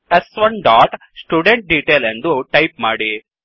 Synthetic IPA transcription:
esʋɐnɖaːʈ | sʈjuːɖeɳʈ̚ɖiːʈeːlend̪uʈɐjp̚maːɽi

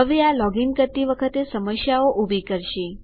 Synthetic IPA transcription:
əʋealɔɡiŋkəɾt̪iʋəkʰət̪esəməsjaoʔubʱikəɾʃe

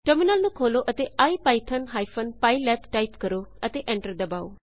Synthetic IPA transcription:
ʈəɾminəlnũːkʰoːloːʔət̪eːaːiːpaːiːt̪ʰənɦaːipʰənpaːilɛːpʈaːipkəɾoːət̪eːʔɛ̃ːɳʈəɾd̪əbaːo̰ː

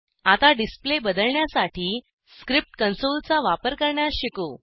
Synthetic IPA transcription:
at̪aɖisplebəd̪əlɳjasaʈʰiː | skɾip̚ʈkənsolt͡saʋapəɾkəɾɳjaɕiko

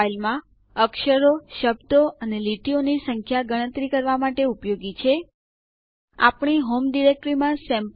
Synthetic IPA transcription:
ilmã | əkʃəɾoʃəbd̪oʔəneliʈionisəŋkʰjaɡəɽ̃ə̃t̪ɾikəɾʋamaʈeupjoɡit͡ʃʰe | a̰pɳ̃iɦomɖiɾek̚ʈɾimãsɛ̃mp

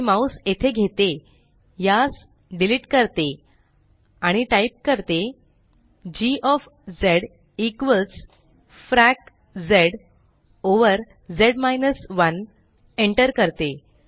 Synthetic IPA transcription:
mauset̪ʰeɡʱet̪e | jas | ɖiliʈkəɾt̪e | aɽ̃iʈaip̚kəɾt̪e | d͡ʑiʔɔf | d͡zeɽ | ikʋəlt͡s | fɾæk | d͡zeɽ | oʋəɾ | d͡zeɽmajnəsʋən | eɳʈəɾkəɾt̪e

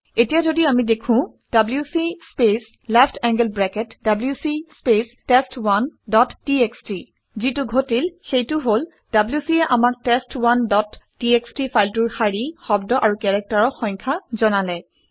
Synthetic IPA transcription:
etijazodiamidekʰʊ̃ | d̥abljusispes | lɛpʰtʰɛŋɡɛlbɹɛkɛtdabljusispestestwandɔtːieksti | zitʊɡʱotilxejtʊɦol | d̥abljusiɛʔamak̚testwandɔtː | iekstifʰajltuɹxaɹixɔbdɔʔaɹukɛɹɛk̚taɹɔxɔŋkʰazɔnalɛ

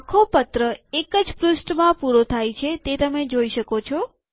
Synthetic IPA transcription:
kʰopət̪ɾəekəd͡ʒpɾʊsʈmãpuɾot̪ʰajt͡ʃʰet̪et̪əmed͡ʒoiʃəkot͡ʃʰɔ

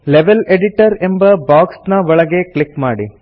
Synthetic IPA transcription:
leʋeleɖiʈɐɾe̞mbɐbaːksnɐʋɐɭɐɡe̞kɭikmaːɽḭ

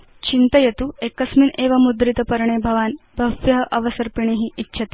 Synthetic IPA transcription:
t͡ɕint̪ɐjɐt̪uekɐsmineːʋɐmud̪ɾit̪ɐpɐɾɳeːbʱɐʋaːnbʱɐʋjɐɦɐʔɐʋɐsɐɾpiɳ̃eɦiʔitːɕʰɐt̪i̥

